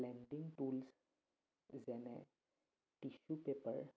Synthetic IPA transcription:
lɛnɖiŋɡʈuls | zɛnɛ | ʈiʃupepəɹ

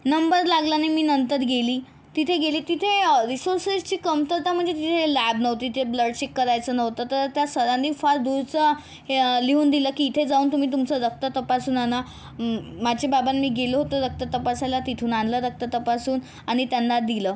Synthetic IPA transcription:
nəmbəɾlaɡlanemiːnənt̪əɾɡeliː | t̪it̪ʰeɡeliːt̪it̪ʰeɾisoɾsest͡ɕiːkəmt̪əɾt̪am̤əɳd͡zet̪it̪ʰelæbnəʋt̪it̪ʰebləɽt͡ɕekːəɾajt͡səːnəʋt̪ət̪əɾət̪jasəɾãnd̪ifaɾd̪uɾt͡sə | liɦuːnd̪iləːkiːt̪ʰed͡zauːnt̪um̤iːt̪umt͡səɾək̚t̪ət̪əpasuːnana | mad͡ʑebabanmiːɡeləɦot̪əːɾək̚t̪ət̪əpasalat̪it̪ʰuːnanləɾək̚t̪ət̪əpasuːn | aɽ̃it̪janːad̪iləː

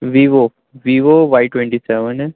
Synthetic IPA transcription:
ʋiʋo | ʋiʋoʋajʈwɛ̃ɳʈisɛʋən

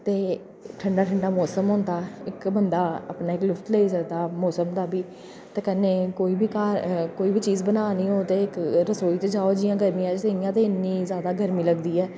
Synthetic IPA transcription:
t̪eː | ʈʰəɳɖaːʈʰəɳɖaːmɔːsəmɦõːnd̪aːɪkbənd̪aːa̰ːpnaːɪklʊfʰt̪leːiːsəkd̪aːmɔːsəmd̪aːbiː | t̪eːkəneːkoːiːbʱiːkaːɾkoːiːbiːt͡ʃiːzbənaːniːɦoːt̪eːɪkɾəsoːiːt̪eːd͡ʒaːoːd͡ʒɪjãːɡəɾmiãɛseɪjãːt̪eːɪnːĩːzjaːd̪aːɡəɾmĩːləɡd̪iːɛː

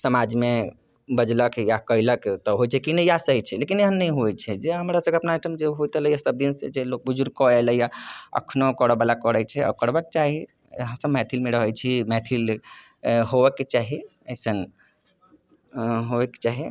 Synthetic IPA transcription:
səmad͡ʒme | bəd͡ʒləkjakəiləkt̪ɔɦojt͡ʃʰɛkinəjasəɦit͡ʃʰɛlekineɦənːəĩɦoɛt͡ʃʰɛd͡ʒeɦəmɾasə̃ɡeəpnaiʈʰəmd͡ʒeɦojt̪ələjasəb̚d̪insed͡ʒelok̚bud͡ʒuɾ̚kɔɛləjaə̰kʰnokɔɽəbalakəɽət͡ʃʰɛɔ̰kəɽbɛket͡ʃaɦi | ɦəmsəbmɛt̪ʰilmeɾəɦɛjt͡ʃʰimɛt̪ʰil | ɦoʋɛkːet͡ʃaɦi | əsən | ɦoekːe̥t͡ʃaɦi

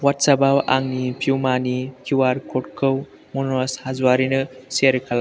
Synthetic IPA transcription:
watsabawa̰ŋnipʰiwmanikʰiwaɾkʰotkʰɯw | monoshazuwaɾinɐseɾkʰɐla

